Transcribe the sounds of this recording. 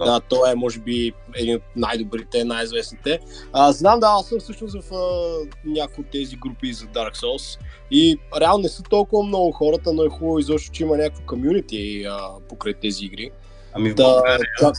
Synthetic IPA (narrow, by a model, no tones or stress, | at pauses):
d̪at̪ɔɛmɔʒɛbi | ɛd̪inot̪̚najd̪obɾit̪ɛnajizvɛsnit̪ɛ | əznamd̪aasəmfsɤʃnosvɐfənʲakʊjot̪ːɛziɡɾupizɐd̪aɾksɔs | iɾɛalˠnonɛsət̪ɔlˠkʊvɐmnɔɡʊxɔɾət̪ənoɛxubəvizɔʃt̪o̥t͡ʃɛimɐnʲakvikomjunit̪iəpokɾajt̪ɛziiɡɾi | d̪ɐa